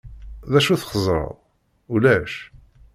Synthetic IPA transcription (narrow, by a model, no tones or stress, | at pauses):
ðæʃuθχəzˤɾˤə̰ðˤ | ulæʃ